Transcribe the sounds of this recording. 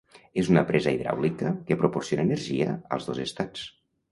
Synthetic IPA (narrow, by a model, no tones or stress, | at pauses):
ezunəpɾɛzəiðɾa̰wlikəkepɾuporsionaːnəɾʒiə̰ə̰lˠzðozest̪at͡s